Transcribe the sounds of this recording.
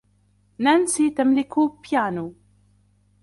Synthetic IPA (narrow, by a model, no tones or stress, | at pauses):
nansit̪amlɪkʊpjaːnuː